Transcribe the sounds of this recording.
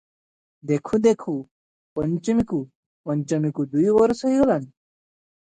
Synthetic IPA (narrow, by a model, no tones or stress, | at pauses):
d̪ekʰũd̪ekʰu | pəɲt͡ɕəmiku | pəɲt͡ɕəmikud̪ujʋəɾsəɦiɡəlan